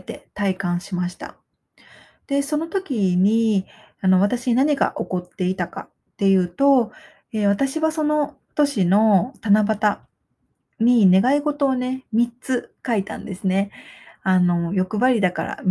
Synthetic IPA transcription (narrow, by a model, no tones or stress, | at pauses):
t̪e̞t̪aikãɰ̃ɕimaɕi̥t̪a̰ | d̪̥e̞so̞not̪o̞kʲiɲ̟i | ano̞β̞at̪aɕiɲinaɲ̟iɡa̰ʔo̞ko̞t̪ːe̞it̪aka̰ | t̪ːe̞jɯ̟ːt̪o̞ | e̞β̞at̪aɕiβaso̞no̞ | t̪o̞ɕino̞t̪anabat̪a | ɲ̟ine̞ɡaiɡo̞t̪o̞ːne̞mʲitt͡sɨkait̪ã̰nd̪e̞sɨne̞ano̞jo̞kɯ̟βaɾʲid̪akaɾa̰m